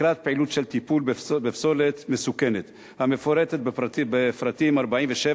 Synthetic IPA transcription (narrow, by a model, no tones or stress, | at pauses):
ɾat̪̚peʕilut̪ʃelt̪ipulbefso̞let̪mesukenet̪ | hamefoɾet̪et̪̚bbefɾat̪imaɾbaʕimveʃe